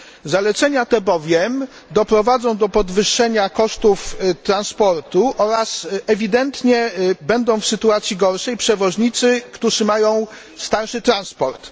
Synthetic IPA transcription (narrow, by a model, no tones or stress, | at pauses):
zalɛt̪sɛɲat̪ɛbɔvʲjɛm | d̪ɔpɾɔvad̪zɔ̃w̃d̪ɔpɔd̪vɘʂːɛɲakɔʂt̪uft̪ɾanspɔɾt̪uʔɔɾasɛvʲid̪ɛnt̪ɲɛbɛnd̪ɔ̃w̃fsɘt̪uat̪sʲjiɡɔɾʂɛjpʂɛvɔʐɲit̪sɘkt̪uʐɘmajɔ̃w̃ | st̪aɾʂɘt̪ɾanspɔɾt̪